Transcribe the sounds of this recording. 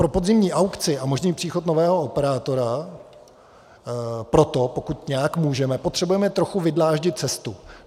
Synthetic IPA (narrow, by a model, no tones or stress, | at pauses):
pɾo̞po̞d̪zɪmɲiːʔawkt͡sɪʔamo̞ʒniːpr̥iːxo̞t̪no̞vɛːɦo̞opɛɾaːt̪o̞ɾa | pɾo̞t̪o̞po̞kut̪ɲɛjakmuːʒɛmɛpo̞t̪r̥ɛbujɛmɛt̪ɾo̞xuvɪdlaːʒɟɪt̪̚t͡sɛst̪u